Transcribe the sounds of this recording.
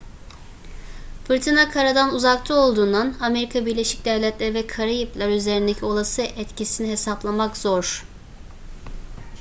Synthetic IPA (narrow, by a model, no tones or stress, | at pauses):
fɯɾt̪ʰinakʰaɾad̪anuzakt̪ʰɯo̞lˠd̪uːnd̪aname̞ɾikʰabiɾlʲe̞ʃi̥c̚d̪ɛvlʲɛt̪lʲæɾvɛkʰaɾɯjɯplˠaɾyze̞ɾind̪ecʰio̞lˠasɯʔɛt̪cisiniɦe̞saplˠamakz̥oɾ̥